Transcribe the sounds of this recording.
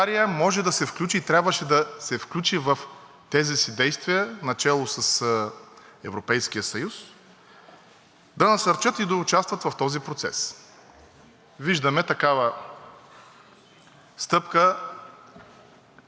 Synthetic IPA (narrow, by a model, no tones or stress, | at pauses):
aɾijəmɔʒɛd̪ɐsɛfklʲut͡ʃiːt̪ɾʲabvəʃɛd̪ɐsɛfklʲut͡ʃivɐf | t̪ɛzisid̪ɛjst̪viənɐt͡ʃɛlˠosɐs | ɛvɾopɛjsk̟ijəsɐjus | d̪ɐnɐsəɾt͡ʃɤt̪id̪ɐut͡ʃast̪vət̪vɐft̪ɔzipɾot̪sɛ̰s | viʒd̪ɐmɛt̪ɐkavə | st̪ɤpkə